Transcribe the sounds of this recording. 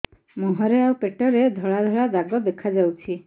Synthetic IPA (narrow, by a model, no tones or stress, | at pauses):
mɔɦɔɾeawpeʈɔɾed̪ʱɔɭad̪ʱɔɭad̪aɡɔd̪ekʰad͡ʒawt͡ʃʰi